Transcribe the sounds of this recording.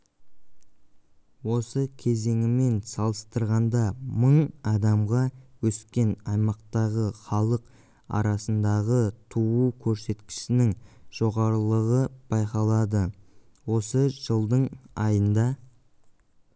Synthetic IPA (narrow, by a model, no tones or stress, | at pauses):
wo̞səkʲʰe̞ze̞ŋɪme̞nsɑlˠəst̪əɾʁɑnd̪ɑməɴɑd̪ɑmʁɑwɵskʲe̞nɑjmɑqt̪ɑʁəχɑlˠəq | ɑ̰ɾɑsənd̪ɑʁət̪ʰuukʲʰɵɾse̞t̪kʲɪ̥ʃsɪnɪŋʒ̥o̞ʁɑɾəlˠəʁəb̥ɑjqɑlˠɑd̪ə | wo̞səʒ̥əlˠd̪əɴɑjənd̪ɑ